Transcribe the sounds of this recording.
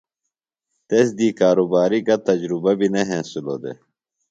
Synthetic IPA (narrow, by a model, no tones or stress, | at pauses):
t̪eːsd̪iːkaːɾoːbaːɾiɡɐt̪ɐd͡ʑɾubɐbineɦẽːsulo̰ːd̪ḛ